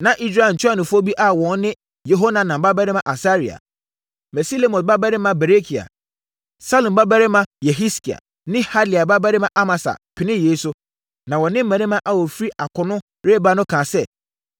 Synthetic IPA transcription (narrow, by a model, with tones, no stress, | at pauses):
nã˨ʔi˦s̬ɾa˦˨ɲ̩˨t͡ɕʰᶣa˦˨nʊ̃˨fʊ˦ɔ˦bi˦ʔa˦wɔ̃˨n˦nɪ̃˦ | jo˨ɦo˦nã˨nã˨m˨ba˦ba˦ɾɪ˦mã˨ʔa˨sa˦ɾi˨a̰˨ | mɛ˨si˦le˦mɔ̃˨n˨ba˦ba˦ɾɪ˦mã˨bɛ˨ɾe˦kʰi˨a̰˨ | sa˦lʊ̃˨mba˦ba˦ɾɪ˦mã˦jɛ˨ɦi˦ski˨a̰˨ | nɪ̃˦ha˦dli˨a˨ba˦ba˦ɾɪ˦mã˨ʔa˦ma˨sa̰˨pʰɪ˨nɪ̃˦jeː˨˦sʊ˦ | nã˨wɔ˨nɪ̃˦m̩˦æ̃˨nɪ̃˦mã˦ʔa˨wɔ˨fɾi˦ʔa˨kʰʊ˨nʊ̃˦ | ɾe˦ba˨˦nʊ̃˦kʰãː˨sɛ˦